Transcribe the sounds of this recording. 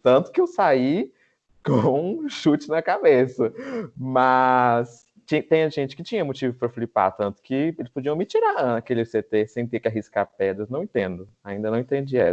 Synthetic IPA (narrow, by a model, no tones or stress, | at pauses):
t̪ɐ̃nt̪ʊ̥kɪewsai | kõʃut͡ʃɪnɐkabesɐmɐs | t͡ʃĩt̪ẽjɲɐʒẽnt͡ʃɪ̥kɪt͡ʃĩɲɐmot͡ʃivʊpɾɐflipa̰ɾt̪ɐ̃nt̪ʊ̥kɪelɪspod͡ʒiɐ̃w̃mɪt͡ʃiɾanɐkelɪset̪esẽj̃t̪eɾkɪaɦiskaɾpɛd̪ɾɐznɐ̃w̃ẽnt̪ẽnd̪ʊ | aĩnd̪ɐnɐ̃w̃ẽt̪ẽd͡ʒiɐɛ̰s